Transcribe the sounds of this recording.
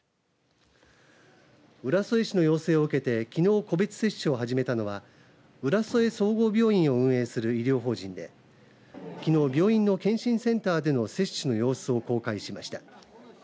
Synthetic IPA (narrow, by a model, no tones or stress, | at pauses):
ɯ̟ɾaso̞e̞ɕino̞jo̞ːse̞ːoɯ̟ke̞t̪e̞kʲino̞ːko̞be̞t͡sɨ̥se̞ɕɨo̞ɦaʑime̞t̪ano̞βa | ɯ̟ɾaso̞e̞so̞ːɡo̞ːbʲo̞ːĩɰ̃o̞ɯ̟̃ɰ̃e̞ːsɨɾɯ̟iɾʲo̞ːɦo̞ːʑĩnd̪e̞̰ | kʲino̞ːbʲo̞ːĩnːo̞kẽ̞ɕĩɰ̃sẽ̞nt̪aːd̪e̞no̞se̞ɕɨno̞jo̞ːsɨo̞ko̞ːkaiɕimaɕi̥t̪ḁ